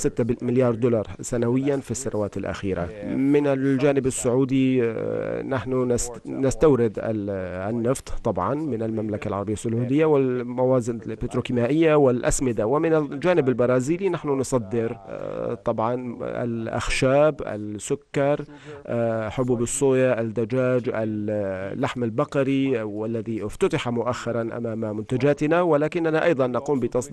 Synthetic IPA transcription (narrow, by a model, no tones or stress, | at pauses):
sɪt̪ːamɪljɑːɾˤd̪ʊlɑɾˤsanawɪjːanfisːanʔawaːt̪ɪlʔa̰xiːɾa̰mɪnɪld͡ʒaːnɪbasːʊʕuːd̪i | naħnunɪs | nɪst̪awɾɪd̪ɪ̰nːɪft̪ˤt̪ˤːɑbʕɑnmɪnɪlmamlakalʕɑɾˤɑbɪjːasːʊʕuːd̪ɪjːawɪlmawaːzɪnbɪt̪ɾukɪmaːʔɪjːawɪlʔa̰smɪd̪awɪmɪnɪd͡ʒaːnɪbalbɑɾˤɑːziːlinaħnʊnsˤɑd̪ːɪɾt̪ˤɑbʕɑna̰lʔa̰xʃaːbʔa̰lsʊkːɑɾˤ | ħʊbuːbɨsˤːuːjɑʔald̪ad͡ʒaːd͡ʒallːaħmalbɑqɑɾiwalːaðiʔɪft̪at̪aħamʊʔaxːɪɾˤɑnʔa̰maːmamʊnt̪ad͡ʒaːt̪ɪnawɪlaːkɪnːanaʔɑjd̪ˤɑnːaquːmbɪt̪ɑsˤd̪